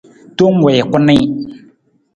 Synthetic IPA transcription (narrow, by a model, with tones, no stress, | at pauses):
to˦ŋ˦wɛ˨kʊ˦nɪ˦